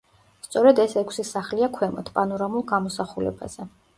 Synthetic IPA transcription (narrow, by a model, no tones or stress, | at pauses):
st̪sʼɔɾɛd̪ɛsɛkʷʰsisaχliakʰwɛmɔ̰t̪ʰpʼanɔɾamulˠɡamɔsaχulɛ̰ba̰z̥ɛ